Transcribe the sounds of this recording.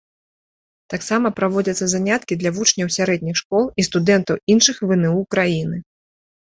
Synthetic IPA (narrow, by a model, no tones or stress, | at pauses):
t̪aksamɐpɾavɔd͡zʲɐt̪sːɐzanʲat̪kʲid̪lʲɐvut͡ʂnʲɐwsʲaɾɛd̪ʲnʲixʂkɔlˠist̪ud̪ɛnt̪ɐwinʂɨxvɨnɛukɾajinɨ